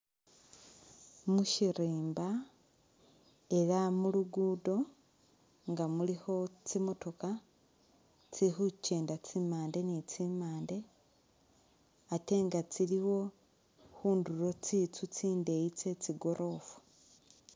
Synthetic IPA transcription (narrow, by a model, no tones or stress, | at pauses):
muʃiɾiːmba | e̞lamuluɡuːdo̞ | ŋɡamuliho̞t͡simo̞to̞ka | t͡sixuceːndat͡simaːnde̞nit͡simaːnde̞ | ate̞ŋɡat͡siliwo̞ | xuːnduɾo̞t͡sit͡sut͡siːnde̞it͡se̞t͡siɡo̞ɾʔo̞fu̥